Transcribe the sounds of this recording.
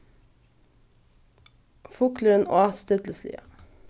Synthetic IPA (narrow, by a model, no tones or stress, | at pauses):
fʊkləɾəno̰ːɑt̪st̪œt̪l̩slḭːə̰